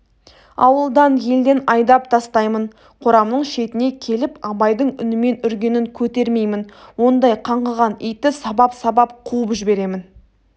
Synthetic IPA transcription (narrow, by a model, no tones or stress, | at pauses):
ɑ̰wəlˠd̪ɑnje̞ld̪e̞nɑjd̪ɑp̚t̪ʰɑst̪ɑjmən | qʰoɾɑmnəɴʃe̞t̪ɪne̞kʲʰe̞lɪpɑbɑjd̪əɴʏnɪme̞nʏɾɡʲe̞nɪŋkʲʰɵt̪e̞ɾme̞jmɪnwo̞nd̪ɑjqʰɑɴʁɑʁɑnijt̪ɪsɑbɑpsɑbɑp̚qʰuəpʒɪbe̞ɾe̞mɪn